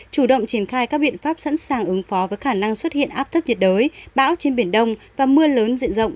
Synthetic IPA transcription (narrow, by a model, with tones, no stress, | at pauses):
t͡ɕu˧˩ɗə̰˧˨wŋ͡mt͡ɕi˧˩ənxaː˧jkaː˦˥k̚ɓḭ˧˨ənfaː˦˥p̚sa̰˧˥nsaː˨˩ŋʔɨ˨˦ŋfɔ˨˦vəː˨˦jxaː˧˩na˧ŋswə˦˥t̚hḭ˧˨ənʔaː˦˥p̚t̪ʰə˦˥p̚ɲə˨˩t̚ɗəː˨˦jɓa̰ː˧˥wt͡ɕe˧nɓi˧˩ənɗə˧wŋ͡mvaː˨˩mɨ˧ələː˨˦nzḭ˧˨nzə̰˧˨wŋ͡mʔ